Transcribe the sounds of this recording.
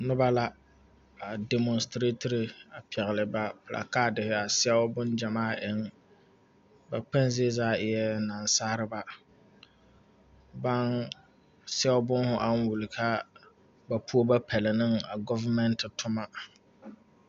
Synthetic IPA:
nʊ˦ba˦la˦ | a˨dɛ˨mɔ˨nstɾe˦tɪ˦ɾɪ˨a˨pʰɛ˨ɣɪ˨lɪ˨ba˦pʊ˨la̰˨kaː˦dɪ˨hɪ˦a˨sɛ˦ʊ˦bʊ˦nd͡ʒa˨maː˦ʔɪ˨˦ŋ | ba˨k͡pɛ˦nzɪ˦zaː˦ɪ˨jɛ˦na˨nsa˦hɾɨ˦ba˦ | ba˦n | sɛ˦ʊ˦bʊ˦nhʊ˦ʔa˦n˦wu˨lɪ˨kʰa˦ | ba˦pʰu˦o˦ba˦pʰɛ˨lɪ˨nɨ˦ŋa˨ɡɔ˦va˦mɛ˦ntɪ˨tʰʊ˦ma˦

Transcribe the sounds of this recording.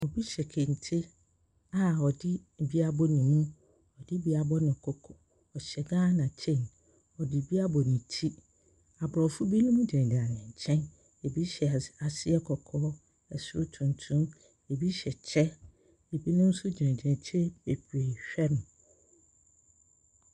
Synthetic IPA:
ɔ˨bi˦ɕɛ˨kʰẽ˨n˨tʰi˦ | a˨ɔ˨dɪ˦˨bi˦a˦bɔ˦nĩ˨mũ˦ | ɔ˨dɪ˦bi˦a˨bɔ˦nʊ̃˨kʰo˦kʰɔ̥˨ | ɔ˨ɕɛ˨ɡãː˦nã˨t͡ɕʰẽ˦˨n | ɔ˨dɪ˨bi˦a˦bɔ˨nĩ˨tʰi˦ | a˨bɾɔ˨fʊ˦bi˦nʊ̃˦m̃˦d͡ʑi˨ɛ̃˨da˨nɪ̃˨ɲ̩˨t͡ɕʰɛ̃˦n | e˨bi˦ɕɛ˨a˨sɪ˦ɛ˦kʰɔ˨kʰɔː˦ | ɛ˨sʊ˦ɾʊ˦tʰũ˨ntʰũ˦m | e˨bi˦ɕɛ˨t͡ɕʰɛ˦ | e˨bi˦nʊ̃˦m̩˦sʊ˦d͡ʑɛ̃˨dɛ̃˨t͡ɕʰe˦be˨pʰɾe˨ɕᶣɛ˦ñ˨

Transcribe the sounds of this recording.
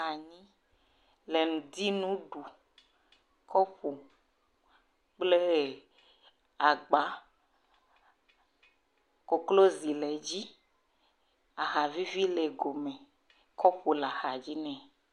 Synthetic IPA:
a˨ɲĩ˦ | le˨nũ˨d̪i˦nũ˦ɖu˨ | kʰɔ˦ɸo˨ | k͡ple˦ | a˨ɡ͡ba˦ | ko˨klo˦zi˨lɛ˨d͡ʑi˦ | a˨xa˨vi˦vi˦le˨ɡo˨mɛ̃˨ | kɔ˦ɸo˨la˨xa˨d͡ʑi˦nɛ̃˨

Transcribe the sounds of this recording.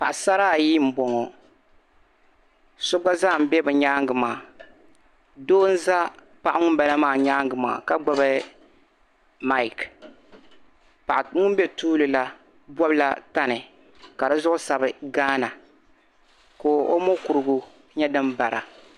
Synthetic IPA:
pa˨ʔsa˦ɾaː˦˨ji˦m̩˨bɔ˨ŋɔ˨ | so˦ɡ͡ba˦zaː˦˨m̩˨˦bɛ˦bɨ˨ɲaː˦ŋɡɨ˨maː˨ | doː˦n̩˦za˦ | pa˨ʔŋʊ˦m˦ba˨la˦maː˦˨ɲaː˦ŋɡɨ˨ma̰ː˨ka˦ɡ͡ba˦bɨ˦ | ma˦˨ɪ˨k | pa˨ʔŋʊ˦m˦bɛ˦tuː˦lɨ˨la˦ | bɔ˦bɨ˦la̰˦ta˦nɨ˨ | ka˨dɨ˦zʊ˦ʔʊ˦sa˨bɨ˨ɡaː˦na˨ | koː˨ʔo˦mo˦ku˨ɾɨ˦ɡu˦ | ɲɛ˦dɨ˦mba˨ɾa̰˨

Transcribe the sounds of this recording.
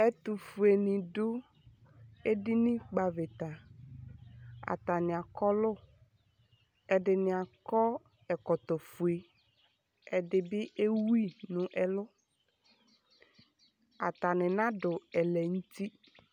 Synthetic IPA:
ɛ˦t̪ʊ˨fu˨e˨nɪ̃˨dʊ˦ | e˦dɪ˦nɪ̃˦k͡pa˨vɪ˨t̪a˨ | a̰˨t̪a˨nɪ̃˨a˨kɔ˦lʊ˦ | ɛ˨dɪ˨nɪ̃˨a˨kɔ˦ | ɛ˨kɔ˨t̪ɔ˨fu˨e˨ | ɛ˨dɪ˨bɪ˦ʔe˦wu˦i˦nʊ̃˨ʔɛ˦lʊ˦ | a˨t̪a˨nɪ̃˨nã˦dʊ˨ɛ˨lɛ˨ŋ̩˦ti˦

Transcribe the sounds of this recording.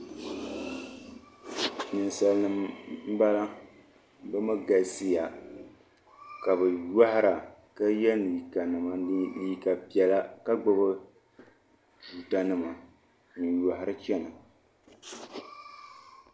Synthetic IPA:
nɨ˨nsa˨lnɨ˦mm̩˦ba˦la˦ | bɨ˦mɨ˦ɡa˨si˦ja˨ | ka˨bɨ˨ja˦hɪ˦ɾa˨ka˦jɛ˦nɨ˨ka˨nɨ˨ma˨dɨ˦i˦˨ka˨pi˨ɛ˨la˦ka˦ɡ͡bɨ˦bɨ˦ | d͡ʒuː˨ta˦nɨ˦ma˨ | nɨ˨ja˨ɦɪ˦ɾɨ˦t͡ʃɛ˦na˨

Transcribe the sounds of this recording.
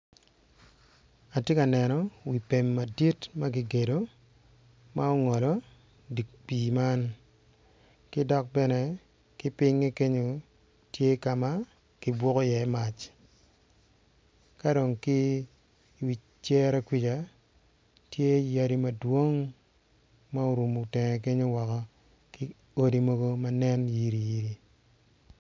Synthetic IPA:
a˨tje˦ka˨nɛ˨nɔ˨wi˨pe˨mːa˨di˦tma˦ɡi˦ɡe˨do˨ | ma˦ɔ˦ŋɔ˨lɔ˨ | di˨kk͡piː˨ma˦n | kɪ˦dɔ˦k̚bɛ˦nɛ˦ | kɪ˦pɪ˦ŋːe˦ke˦ɲo˨ | tje˦ka˨ma˦ | kɪ˨bwɔ˦kɔ˦jɛː˨˦ma˨t͡ʃ | ka˦do˨ŋki˦ | wi˨t͡ʃt͡ʃjɛ˦ɾɛ˦kwi˦d͡ʒa˨ | tje˦ja˦ɾi˨mɐ˦dwo˦ŋ | ma˦o˦ɾu˨mu˨tɛ˨ŋɛ˨ke˦ɲo˦wɔ˨kɔ˨ | ki˦ | o˦di˨mo˦ɡo˦ma˦nɛ˦nji˦ɾi˨ji˦ɾi˨

